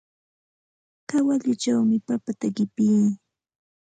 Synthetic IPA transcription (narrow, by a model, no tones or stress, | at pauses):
kawaʎʊt͡ʃawmɪpapat̪aɢɪpij